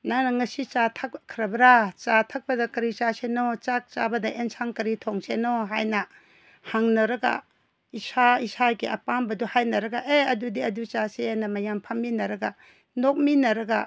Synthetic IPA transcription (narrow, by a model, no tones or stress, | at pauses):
nanɐŋɐsit͡ʃatʰak̚kʰɾɐbɾat͡ʃatʰɐk̚pɐdɐkɐɾit͡ʃasenot͡ʃak̚t͡ʃabɐdɐʔensʰaŋkɐɾitʰoŋsenoɦajnɐ | haŋnɐɾɐɡa̰ | isaisakeʔɐpambɐduhajnɐɾɐɡaʔeɐdudiɐdut͡ʃaseanɐmɐjampʰamːinɐɾɐɡa | nok̚minɐɾɐɡa